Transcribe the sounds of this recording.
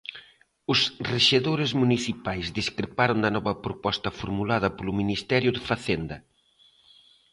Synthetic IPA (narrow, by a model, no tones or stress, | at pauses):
ʊsreʃeðoɾɪzmuniθipajzd̪iskɾepaɾond̪ɐnɔβɐpɾopɔst̪ɐfoɾmulað̞ɐpolʊminist̪ɛɾjʊðɪfaθend̪ɐ